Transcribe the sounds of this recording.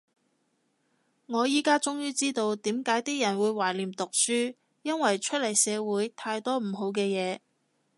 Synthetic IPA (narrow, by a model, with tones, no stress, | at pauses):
ŋɔː˨˧jiː˥kaː˥t͡sʊ˥ŋjyː˥t͡siː˥t̪o˧wt̪iː˨˥mkaː˨˥jt̪iː˥jɐ˨˩nwuː˨˧jwaː˨˩jliː˨˩mt̪ʊ˨k̚syː˥ | jɐ˥nwɐ˨˩jt͡ʃʰɵ˥t̚lɐ˨˩jsɛː˨˧wuː˨˥jt̪ʰaː˧jt̪ɔː˥m̩˨˩ɦo˨˧wkɛː˧jɛː˨˧